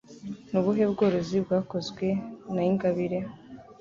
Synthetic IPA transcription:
nuβuɦe̞bɡo̞ːɾo̞zibɡaːko̞zɡwe̞naiŋɡaβiɾe

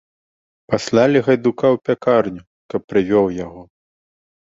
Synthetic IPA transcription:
pasʲlʲalʲɛɣɐjd̪ukawpʲakarnʲu | kɐpːɾɨvʲɔwjaɣɔ

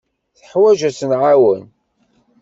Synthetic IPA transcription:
θə̥ħwæʒæsənʕawən

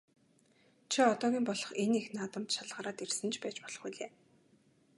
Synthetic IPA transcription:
t͡ɕʰiɔt̪ɔːɣʲiːmpɔɮɞ̥̆χenexnaːt̪ə̆mt̪ʃaɮʁaːɾaːt̪ersɘ̆nt͡ɕʰpæːt͡ɕpɔɮ̥ɞ̥̆χujɮeː

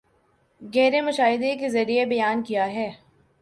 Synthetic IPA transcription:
ɣɛːɾemʊʃaːɦɪd̪ekezɐɾiebɐjaːnkijaɦɛː

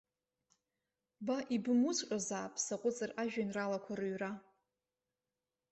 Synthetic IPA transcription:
baʔibɨmut͡ʃʷʼqʲʼazaːpʼsaqʷʼʊt͡sʼɨraʒᶣanralakʷʰarɨɥra

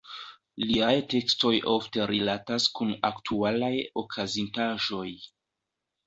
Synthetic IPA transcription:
liajte̞ksto̞jʔo̞fte̞ɾilataskuna̰ktʰualajo̞kʰazintaʒo̞j

